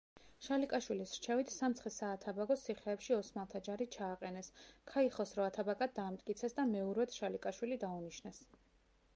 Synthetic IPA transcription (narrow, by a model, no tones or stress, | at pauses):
ʃalikʼaʃwilisɾt͡ʃʰɛvit̪ʰsamt̪sχɛsaːt̪ʰabaɡɔssʰiχɛːpʃiɔsmalˠt̪ʰad͡ʒaɾit͡ʃʰaːqʼɛnɛskʰaiχɔsɾɔat̪ʰabakʼad̪̚d̪aːmt̪ʼkʼit̪sʰɛsd̪amɛuɾwɛt̪ʰʃalikʼaʃwilid̪auniʃnɛs